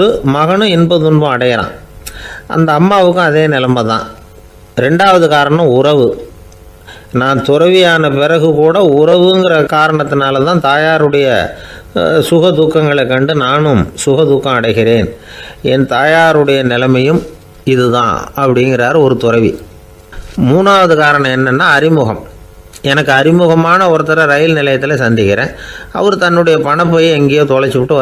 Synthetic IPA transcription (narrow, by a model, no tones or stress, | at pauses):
ɯmɐɣɐɳɯ̃ɪnbɐðʊnbɐ̃ɐɽɐjɐɾã̰ː | ʔɐ̰nd̪ɐːmːaːʋɯkːɯ̃ɐðeːnɪlɐmɐt̪ːã̰ː | ɾɛɳɖaːʋɐðɯkaːɾɐɳɐ̃mʊrɐʋɯ | naːnt̪ʊɾɐʋɪjaːnɐpɛɾɐɣɯkuːɽɐʊɾɐʋɯŋɡɪrɐkaːɾɐɳɐt̪ːɪnaːlɐt̪ãːt̪aːjaːɾɯɽɐjɐ̰ | sʊɣɐd̪uːkːɐŋɡɐɭɛkːɐɳɖɯnaːnɯmsʊɣɐd̪uːkːɐ̃mɐɽɐɪɣɪɾeːnɛnt̪aːjaːɾɯɽɐjɐnɪlɐmɐjɯm | ɪðɯðã̰ːɐpːɐɽɪŋɡɪɾaːɾɔɾɯt̪ʊrɐɪʋḭ | muːnaːʋɐðɯkaːɾɐɳɐ̃mɛnːɐnːaːɐɾɪmʊɣɐm | ɛnɐkːɯɐɾɪmʊɣɐmaːnɐɔɾɯt̪ɐɾɐɾɐjɪlnɪlɐjɐt̪ːɪlɐsɐnd̪ɪkɪɾḛ̃ːʔɐ̰ʋɐɾɯt̪ɐnːɯɽɐjɐpɐɳɐp̬ːɐjeɛŋɡejoːt̪ɔɭɐɾt͡ʃːɯpɪʈːɯʋɐ